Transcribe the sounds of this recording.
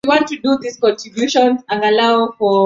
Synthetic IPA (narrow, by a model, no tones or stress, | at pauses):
iwɔ̃ntːuduðiskɔ̃ntʰɹ̥ibjuʃɔ̃nzãnalaʊfɔ